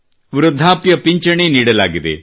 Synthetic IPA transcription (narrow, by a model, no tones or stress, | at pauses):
ʋɾud̪ʱːaːpjɐpiɲt͡ʃɐɳeniːɽɐlaːɡid̪ḛ